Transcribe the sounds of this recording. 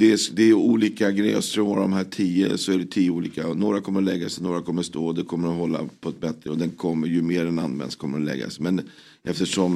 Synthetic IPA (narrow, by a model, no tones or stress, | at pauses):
d̪ɛd̪ɛːjuːliːkaɡɾɛːə̰st̪ɾuːad̪ɔ̰mɦæːʈʰiːə̰sɔæɖɛt̪ʰiːəuːliːkanoːɾakʰɔmːəɾɔlɛɡːasɛnoːɾakʰɔmːəʂt̪oːɔd̪ɛkʰɔmːəɾɔɦɔlːa̰pʰɔɛt̪̚bɛt̪ɾəɔd̪ɛnkʰɔmːəɾjɵmeːɾɛna̰nmɛ̰nskʰɔmːəɾɔlɛ̰ɡːa̰smɛn | ʔɛft̪əʂɔm